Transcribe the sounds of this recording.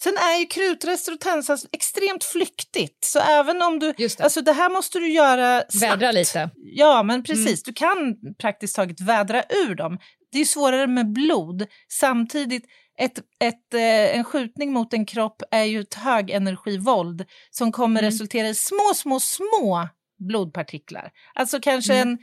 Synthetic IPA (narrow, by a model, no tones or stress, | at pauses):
sɛnæɾjɵkʰɾʉ̟ːt̪ɾɛst̪ɾɔt̪ʰɛnsasɛkst̪ɾeːmt̪flʏkt̪ɪt̪sɔ̰ʔɛːvənɔmd̪ɵsalsɔd̪ɛɦæːɾmɔst̪əd̪ɵjœːɾasvɛd̪ɾaliːt̪əjɑːmɛnpʰɾɛsiːsd̪ɵkʰanpʰɾak̚t̪ɪskt̪ʰɑːɡət̪vɛːd̪ɾaʔʉ̟ːɖɔm | d̪ɛjɵsvoːɾaɾəmɛbluːd̪ | samt̪ʰiːd̪ɪt̪ | ʔɛt̪ɛt̪ɛnɧʉ̟ːt̪nɪŋmʊt̪ɛnkʰɾɔpːæɾjɵɛt̪høːɡɛnæɾɧiːvɔld̪ | sɔmkʰɔmːəɾɾɛsɵlt̪ʰeːɾaɪsmoːsmoːsmoː | bluːd̪̚pʰaʈʰɪkla̰ɾ | ʔalt̪sɔkʰanʂəɛn